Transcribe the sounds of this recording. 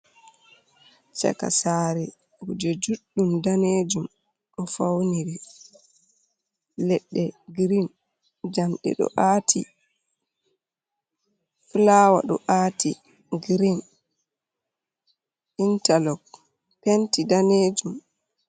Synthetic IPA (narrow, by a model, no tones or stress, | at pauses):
t͡ʃɛ̰ka̰saːɾɛ | wud͡ʒɛd͡ʒuɗːumdaneːd͡ʒum | ɗɔfawniɾi | lɛɗːɛɡɾin | d͡ʒamɗɛ̰ɗɔ̰ʔatʰḭ | flaːwa̰ɗɔ̰ʔaːti | ɡɾin | intalɔk | pentidaned͡ʒum